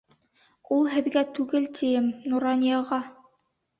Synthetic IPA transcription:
ulˠɦɘ̆ðɡæt̪ʉɡɘlt̪ʰijɘmnuɾɑnʲijɑʁɑ

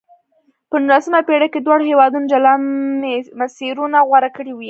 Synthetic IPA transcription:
pənunlasəmapeɽaked̪wɑɽhewɑd̪unod͡ʒalanemasiɾunaɣwaɾakəɽiwi

